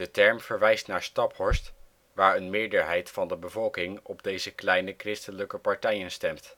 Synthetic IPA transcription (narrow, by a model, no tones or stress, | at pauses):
dətɛɹmv̥əɹʋɛjstnaːɹstɑpɦɔɹst | ʋaːɹənmɪːɹdəɹɦɛjtfɑndəbəvɔlˠkɪŋɔbdejzəklɛjnəkrɪstələkəpɑɹtɛjənstɛmt